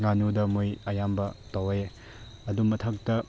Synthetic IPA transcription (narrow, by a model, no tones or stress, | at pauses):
ŋanudɐmojɐjambɐtɐwje | ɐdumɐtʰɐk̚tɐ